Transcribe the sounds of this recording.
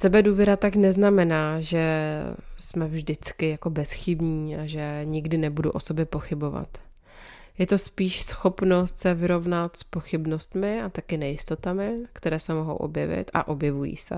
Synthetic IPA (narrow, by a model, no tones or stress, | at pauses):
sɛbɛduːvjɛɾat̪aknɛznamɛnaːʒɛ | smɛvʒdɪt͡skɪjako̞bɛsxɪbɲiːaʒɛɲɪɡdɪnɛbudṵʔo̞so̞bjɛpo̞xɪbo̞va̰t̪ | jɛt̪o̞spiːʃsxo̞pno̞st̪sɛvɪɾo̞vnat̪spoxɪbno̞st̪mɪat̪akɪnɛjɪst̪o̞t̪amɪkt̪ɛɾɛːsɛmo̞ɦo̰wʔo̰bjɛ̰vɪ̰t̪a̰ʔo̞bjɛvujḭːsɛ̰